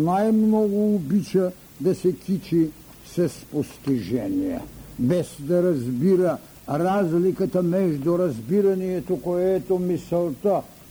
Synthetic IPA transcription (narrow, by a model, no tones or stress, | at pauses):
najmnɔɡuːbit͡ʃa | d̪asɛkʲit͡ʃi | sɛspost̪iʒɛnija̰bɛzd̪aɾazbiɾa | ɾazlikat̪amɛʒd̪uɾazbiɾanijɛt̪ɔkɔɛt̪ɔmisɛlˠt̪a